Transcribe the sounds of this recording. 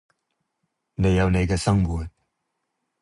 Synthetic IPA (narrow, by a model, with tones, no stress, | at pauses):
ne˨˧jːɐ˨˧wne˨jkɛː˧sɐ˥ŋwuː˨t̚